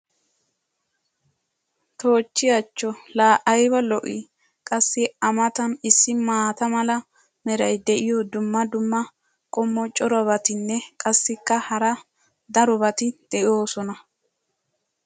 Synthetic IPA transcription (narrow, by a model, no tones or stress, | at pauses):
t̪o̞ːt͡ʃːɪjɐt͡ʃːɔlaːʔɐjbɐlɔʔɪ̰ | kʼɐsːɪɐmɐt̪ɐnɪsːɪmaːt̪ɐmɐlɐ | mɛɾɐjd̪ɛʔɪjɔd̪ʊmːɐd̪ʊmːɐ | kʼɔmːɔt͡ʃʼɔɾɐβɐt̪ɪnːɛkʼɐsːɪkːɐhɐɾɐ | d̪ɐɾɔbɐt̪ɪd̪̥ɛʔo̞ːsɔnɐ